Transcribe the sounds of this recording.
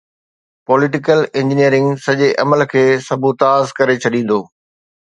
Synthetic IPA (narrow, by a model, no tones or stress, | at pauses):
pɔːlɪʈ̬ɪkəlɪ̃ɲd͡ʑɪnijəɾɪ̃ŋɡsɐʄeʔɐməlkʰeːsɐbʱut̪aːzkɐɾet͡ɕʰɐɗĩːn̆d̪oː